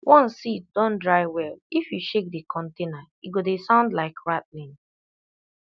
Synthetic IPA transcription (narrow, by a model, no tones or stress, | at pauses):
wʔɔ̃nsit̚dɔ̃ndɹaɪwɛlifjuʃek̚dikʰɔ̃ntena | iɡodesãʊ̃ndlaɪkʰɹat̚lĩn